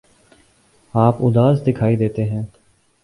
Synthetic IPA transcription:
aːpʊd̪aːzd̪ɪkʰaːid̪eːt̪eːɦɛ̃ː

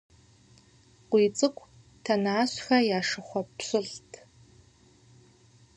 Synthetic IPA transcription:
qʷiːt͡sʼɨkʷʰʼ | tʰɐnaːɕxɐjaːʂɨχʷɔpɕɨɬtʰ

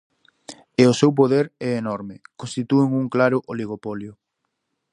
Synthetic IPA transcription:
eʊsewp̬oðeɾɛenɔɾmɪkõnst̪it̪ueŋuŋklaɾʊʔoliɣ̞opɔljʊ

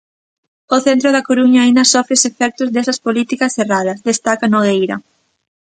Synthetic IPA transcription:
oθent̪ɾʊð̞ɐkoɾuɲaːind̪ɐsɔfɾesefɛk̚t̪ʊzd̪esɐspolit̪ikɐsθerað̞ɐzd̪est̪akanoɣejɾɐ̰

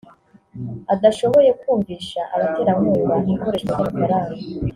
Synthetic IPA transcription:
adaʃo̞βo̞je̞kuːɱviːʃaʔaɾate̞ːɾamuːβaniŋko̞ɾe̞ːʃkwazaβakaɾaːɾe

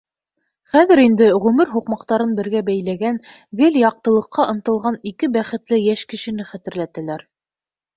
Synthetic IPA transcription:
χæðɘ̆ɾind̪ɘʁʉmɘɾɦuqmɑqt̪ɑɾɤnbɘ̆ɾɡæbæjlæɡæn | ɡɘljɑq̚t̪ɤ̆lˠɤ̆qʰːɑʔɤ̆nt̪ɤ̆lˠʁɑnikɘbæχɘ̆t̪lɘjæʃkɘ̆ʃɘ̆nɘχæt̪ɘ̆ɾlæt̪ælæɾ

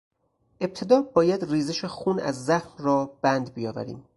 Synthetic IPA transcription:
ʔe̞p̚t̪ʰe̞d̪ɒːbɒːjæd̪riːzeʃexuːnæ̰zːæxnrɒːb̥ænd̪bijɒːvæ̰ɾḭːm

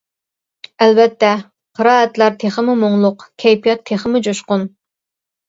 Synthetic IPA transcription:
ɛlbɛt̪ːɛ | qʰəɾɑːɛt̪læɾt̪ʰeχəmɪmoŋlˠʊqkʲʰɛjpijɑt̪ʰːeχəmʊd͡ʒoʃqʊn

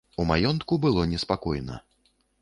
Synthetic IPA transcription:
umajɔnt̪kubɨlˠɔnʲɛspakɔjnɐ̰

